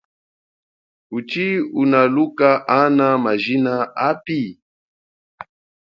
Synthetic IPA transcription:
ut͡ʃiunalukaʔanamaʒinaapi

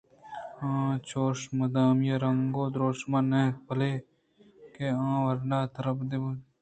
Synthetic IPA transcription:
ãːt͡ʃoːʂmɐd̪aːmjeɾɐŋɡoːd̪ɾoːʃmɐneːpɐleː | keãːwɐɾnaːt̪ɐɾɐpd̪ib

